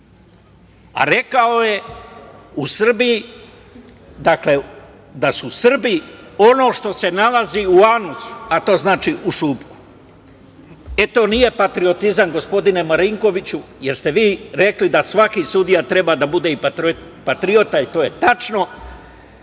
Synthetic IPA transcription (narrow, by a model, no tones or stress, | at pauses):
a̰ɾe̞kao̞je̞ | usr̩biji | d̪akle̞ | d̪asuːsr̩bio̞no̞ːʃt̪o̞se̞nalaziuanusu̥at̪o̞ːznaːt͡ʃiʔuʃuːpku̥ | e̞t̪o̞ːnije̞pat̪ɾio̞t̪izaŋɡo̞spo̞d̪ine̞maɾiŋko̞ʋit͡ɕuje̞ɾst̪e̞ʋiːɾe̞klid̪asʋakisud̪ijat̪ɾe̞baːd̪abud̪e̞ipaɾ | pat̪ɾio̞t̪ait̪o̞ːje̞t̪at͡ʃno̞